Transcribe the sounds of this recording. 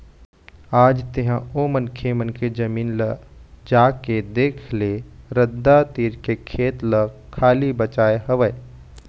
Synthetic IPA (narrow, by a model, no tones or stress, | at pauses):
aːd͡ʒt̪eɦãoːmənkʰemənkʰed͡ʒɐmiːnləd͡ʒaːked̪eːkʰleɾəd̪ːat̪iːɾkekʰeːt̪ləkʰːaːlibət͡ʃaːeɦɐʋəe